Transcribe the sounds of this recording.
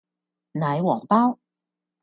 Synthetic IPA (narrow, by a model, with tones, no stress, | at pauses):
nɐ˨˥jwɔː˨˩ŋpaː˥w